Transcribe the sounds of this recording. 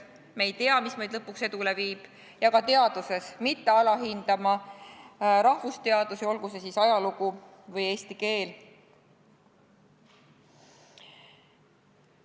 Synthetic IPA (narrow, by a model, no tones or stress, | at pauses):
mejt̪e̞ɑmismɤjd̪lɤpːˑuksed̪ule̞viːb̥ | jɑkɑt̪e̞ɑd̪̥use̞smit̪ːe̞ɑlɑɦind̪̥ɑmɑ | ɾɑhvust̪e̞ɑd̪̥usio̞lɡ̥usesisɑjɑluɡ̥u | vɤje̞ːst̪ike̞ːl